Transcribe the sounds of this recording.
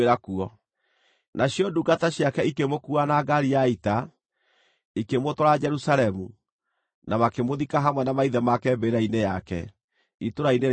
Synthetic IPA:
eɾakuɔ | nʔaɕjɔduɡataɕjakɛikemokuanaɡaɾiaita | ikemotɔɾad͡ʒɛɾusalɛmu | namakemoðikaɦamwɛnamaiðɛmakɛmbeɾainejakɛ̰ | itoɾaineɾ

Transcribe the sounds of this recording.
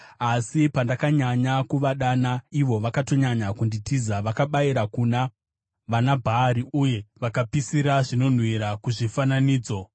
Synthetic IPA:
asipandakaɲaɲakuʋaɗanaiʋo̞ʋakato̞ɲaɲakunditizaʋakaɓaiɾakuna | ʋanabʱaːɾiuje̞ʋakapisiɾaʐino̞n̤wiɾakuʐifananiːd͡zo̞

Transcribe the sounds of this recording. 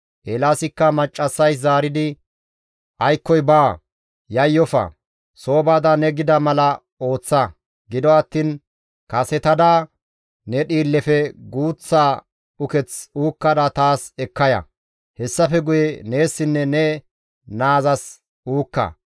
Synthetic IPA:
ʔelaːsɪkːɐmɐt͡ʃʼːɐsːɐjszaːɾɪd̪ɪ | ʔɐjkːɔjbaː | jɐjːɔfɐ̰ | so̞ːbaːd̪ɐnɛɡɪd̪ɐmɐlɐ | o̞ːt͡sːɐ | ɡɪd̪ɔɐt̪ːiːn | kɐsɛt̪ɐd̪aː | nɛɗiːlːɛfɛɡuːt͡sːaː | ʊkɛt͡suːkːɐd̪at̪aːsɛkːɐjɐ̰ | hɛsːɐfɛɡʊjɛne̞ːsːɪnːɛnɛ | naːzɐs | uːkːɐ̰

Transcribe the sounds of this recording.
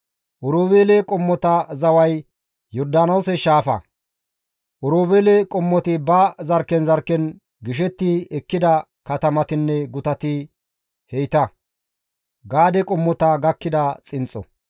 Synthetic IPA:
ʔɔɾoːbeːlkʼɔmːɔt̪ɐzɐwɐj | jɔɾd̪aːnoːsɛʃaːfɐ̰ | ʔɔɾoːbeːlɛkʼɔmːɔt̪ɪbɐzɐɾkːɛnzɐɾkːɛn | ɡɪʃ̬ɛt̪ːɪɛkːɪd̪ɐ | kɐt̪ɐmɐt̪ɪnːɛɡʊt̪ɐt̪ɪ | hɛjt̪ɐ | ɡaːd̪ɛkʼɔmːɔt̪ɐɡɐkːɪd̪ɐt͡sʼɪnt͡sʼːɔ̰

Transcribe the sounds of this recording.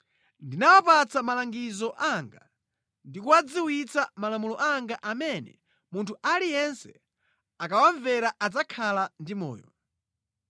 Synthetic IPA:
ndinawapat͡samalaŋɡizɔʔaŋɡa | ndikuad͡ziwit͡samalamulɔʔaŋɡaʔamɛnɛ̰ | muntʰuʔalijɛnsɛ | akawaɱvɛɾaʔad͡zakʰalandimɔ̰ːjɔ̰

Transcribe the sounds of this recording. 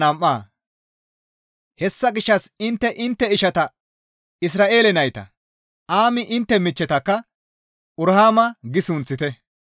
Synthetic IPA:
ɐmʔːaː | hɛsːɐɡɪʃːɐsɪnt̪ːɛʔɪnt̪ːɛɪʃɐt̪ɐ | ɪs̬ɾaːʔe̞ːlɛnɐjt̪ɐ̰ | ʔaːmɪʔɪnt̪ːɛmɪt͡ʃːɛt̪ɐkːɐ | ʔʊɾhaːmɐɡɪsʊnt͡sːɪt̪ɛ

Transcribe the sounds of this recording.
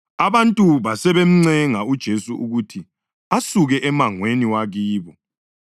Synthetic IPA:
aβantʼuβasɛβem̩ŋ͡ǀɛŋaud̥ʒ̥ʱesuʔuɣutʰi | asuɣɛʔɛmaŋweniwaɣiːβɔ

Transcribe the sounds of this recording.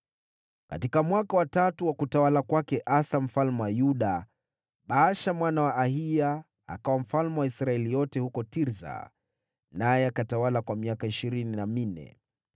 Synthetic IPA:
ka̰tikamwakawatatuwakutawalakwakɛʔasam̩falmɛwajuɗa | ɓaʃamwanawaʔːhija | a̰kawam̩falmɛwaisɾaɛlijɔtɛhukɔtiɾza̰ | najɛakatawalakwamiakaiʃiɾininaminɛ̰

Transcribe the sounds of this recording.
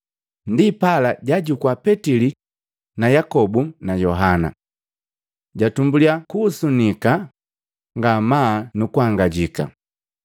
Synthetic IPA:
ndipalaɟaɟukwapɛtili | najakɔbunajɔɦana̰ | ɟatumbuliakuːsunika | ŋɡamaːnukuhaŋɡaɟika̰

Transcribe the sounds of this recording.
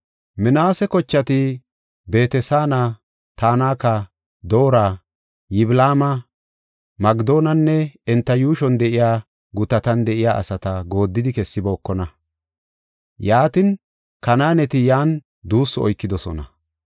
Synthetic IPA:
mɪnaːsɛkɔt͡ʃːɐt̪ɪ | be̞ːt̪ɛsaːnɐ | t̪aːnaːkːɐ | d̪o̞ːɾaː | jɪblaːmɐ | mɐɡd̪o̞ːnɐnːɛɛnt̪ːɐjuːʃɔnd̪ɛʔɪjaː | ɡʊt̪ːɐt̪ɐnd̪ɛʔɪjaːʔɐ̰sɐt̪ɐɡo̞ːd̪ːɪd̪ɪkɛsːɪbo̞ːkːɔnɐ | jaːt̪ɪn | kɐnaːnɛt̪ɪjaːn | d̪uːsːɔɔ̰jkːɪd̪ɔsɔnɐ̰

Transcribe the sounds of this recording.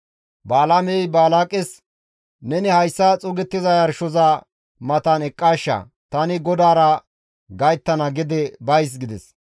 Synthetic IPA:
baːlamɛjbaːlaːkʼɪs | nɛnɪhɐjsːɐt͡sʼʊɡɛt̪ːɪzɐjɐɾʃɔza | mɐt̪ɐnɛkʼːaːʃːɐ̰ | t̪ɐnɪɡɔd̪aːɾɐ | ɡɐjt̪ːɐnɐɡɪd̪ɛbɐjs̬ɡɪd̪ɛs

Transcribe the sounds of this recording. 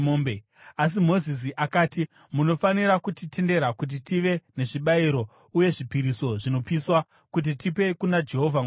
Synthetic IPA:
ombe | as̬imo̞zis̬iʔakaːti | muno̞faniɾakutite̞nde̞ɾakut̬itiʋe̞ne̞ʐiɓaiɾo̞ | uje̞ʐipiɾiso̞ʐino̞piswa | kut̬itipe̞kunad͡ʒe̞ɦo̞vʱaŋɡ

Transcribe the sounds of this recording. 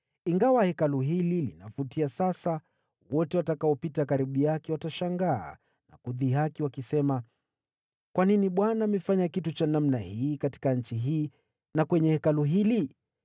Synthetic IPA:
iŋɡawahɛkaluɦililḭnafutʰiasasa | wɔtɛwatakaɔpitakaɾiɓujakɛwataʃaŋɡa̰ː | na̰kuðiɦakiwakisɛma | kwaniniɓwanaːmɛfaɲakitut͡ʃanamnahiːkati̥kaɲ̩t͡ʃiɦiː | nakwɛɲɛhɛkaluɦili

